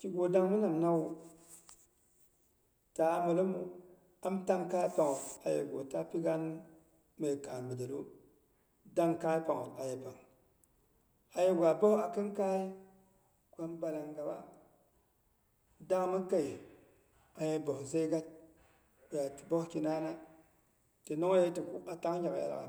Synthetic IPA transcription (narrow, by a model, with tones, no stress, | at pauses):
ki˦ɡo˨da˦ŋmu˦na˨m˨na˦w | ta˨˦ma˨lo˦mu˦ | a˦m˦ta˦ŋka˦pa˨ŋo˨a˨jḛ˨ɡo˨ta˦pi˦ɡa˦n | me˨ka˨mbə˨da˨lo˦ | da˦ŋka˦pa˨ŋo˨a˨je˨pa˨ŋ˨ | a˨je˦ɡʷa˨bo˦ha˨ki˦nka˦i˦ | kʷa˦mba˨la˨ŋɡa˨ba˦ | da˦ŋ˨mə˦ka˦i˨ | a˨je˦bo˨hze˦ɡa˦t̚ | be˨a˨ti̥˨bo˦hki˦na˦na˦ | te˨no˦ŋ˦e˦ti˨ku˦a˨ta˦ŋ˦d͡ʒa˨ka˨a̰˨la̰˨a̰˨